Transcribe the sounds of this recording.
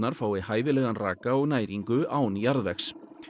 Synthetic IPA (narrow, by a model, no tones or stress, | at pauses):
naɾ̥faːwɪhaːjvɪlɛɣanra̰ːkaɔɣnaːjɾiŋkʏaːwnijaɾðvɛxs